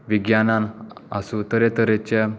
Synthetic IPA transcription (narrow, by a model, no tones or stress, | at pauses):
ʋiɡjananasut̪əɾɛt̪əɾet͡ɕa